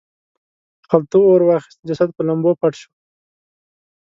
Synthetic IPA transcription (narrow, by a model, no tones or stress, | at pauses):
χalt̪uoɾwɑːχɪ̥st̪d͡ʒasad̪̚pəlambopaʈʃo̥